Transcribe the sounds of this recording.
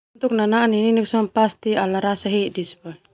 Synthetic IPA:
t̪uk̚nananininiksɔmpast̪ialaɾasaɦidisba

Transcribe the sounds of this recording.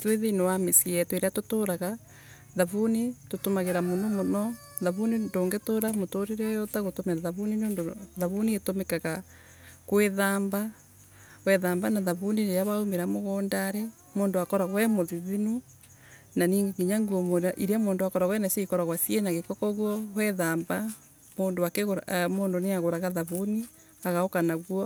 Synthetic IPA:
tweðenowamesiɛtweɾeatotoːɾaɣa | ðaβunitotomaɣeɾamonomonɔ | ðaβunindoːŋɡetoːɾamotoɾeɾɛjɔtaɣotomɛɾaðaβunineoːndoðaβunietomekaɣa | kweðaːmba | wɛðaːmbanaðaβuniɾejaβaumeɾamoɣɔːndaɾe | moːndoakɔɾaɣwɛmoðiðinu | naniːŋɡeɣiɲaŋɡuɔmoɾaʔiɾamoːndoakɔɾaɣwɛnaseikɔɾaɣwasjenaɣekɔkɔɣwɔwɛðaːmba | moːndoakeɣoɾmoːndoneaɣoɾaɣaðaβuni | aɣaokanaɣwɔ

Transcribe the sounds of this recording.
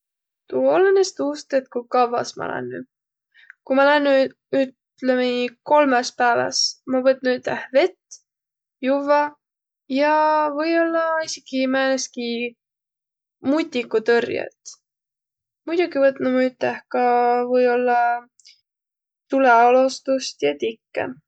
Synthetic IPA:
t̪uolːɑnest̪uːst̪et̪kukɑvːɑ̰smɑ̰læ̰nːy̰ | kumɑlænːy | yt̪ | lemeiko̞lmespæːvɑ̰smɑvɤt̪̚ːnuyt̪ːæhve̞t̪ː | juvɑ | jɑvɤ̞jo̞lːɑisʲikimæːneski | mut̪ʲːikːut̪ørjḛt̪ | mud̪̥ʲuɡivɤt̪numuyt̪ːˑæhkɑvɤjo̞lːɑ | t̪uleolost̪ust̪jɑt̪ikːḛ

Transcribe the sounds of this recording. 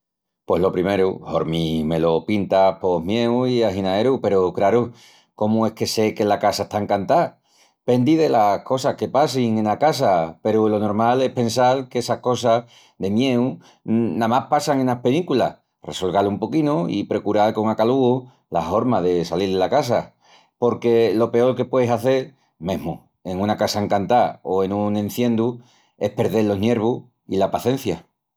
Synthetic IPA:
pwe̞ɦlo̞pɾime̞ɾuho̞ɾmime̞lo̞pint̪apo̞ɦmje̞wiaɦinae̞ɾupe̞ɾukɾaɾu | ko̞mue̞hke̞se̞ke̞lakasaest̪aŋkant̪a | pe̞nd̪iðe̞lako̞sahke̞pas̬iŋẽ̞nakas̬ape̞ɾulo̞no̞ɾmale̞pe̞nsalkesahko̞sa | ðe̞mje̞u | namahpasaŋe̞nahpe̞likula̰ | re̞̰so̞lɣalumpo̞kinoḭpɾe̞kuɾalko̞ŋakaluo | la̰fo̞ɾmaðe̞saliɾðelakas̬a | po̞ɾke̞lo̞pe̞o̞ɾke̞pwe̞esaθe̞ɾ | mẽ̞ɦmu | e̞ŋũnakasaeŋkant̪ao̞e̞nũŋẽ̞n̟θjẽ̞nd̪u | e̞hpe̞ɾðe̞lːo̞ɦnje̞ɾβ̞u | ilapaθe̞n̟θja

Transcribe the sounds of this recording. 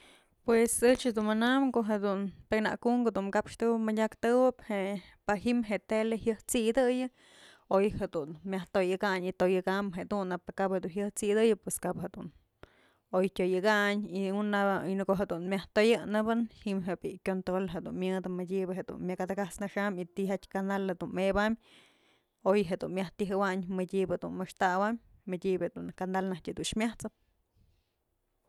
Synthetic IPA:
pwesɨt͡ʃhed̪unmɨnamkoʔɦed̪unt̪ekna̰kuŋkod̪unkapʂt̪ɨwɨpmadʲakt̪ɨwɨphepaɦimɦeʔt̪elehjɨht͡sid̪ɨjɨ | ojhed̪unmʲjaht̪ojɨɡaɲit̪ojɨɡambɦed̪unapakaphed̪unɦjɨht͡sid̪ɨjɨpweskaphed̪un | ojtʲojɨɡaɲiunabaojnɨkoɦed̪unmʲjaht̪ojɨnɨbɨnhimɦebikʲont̪ɾolɦed̪ṵnmjɨd̪ɨmɨdʲibɨɦed̪ṵnmʲjakad̪akasnaʂamit̪ihat̪ʲkand̪alhed̪unmebamʲ | ojɦed̪unmʲjaht̪iɦɨwaɲmɨdʲibed̪ṵnmɨʂt̪awammɨdʲibed̪unkand̪alnahtʲɨd̪unʂmʲjaht͡sɨp̚

